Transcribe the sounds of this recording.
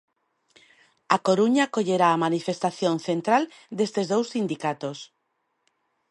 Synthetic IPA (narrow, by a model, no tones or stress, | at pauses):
akoɾuɲakoʎeɾaːmanifest̪aθjõnθent̪ɾal | d̪est̪ezðowsːind̪ikat̪os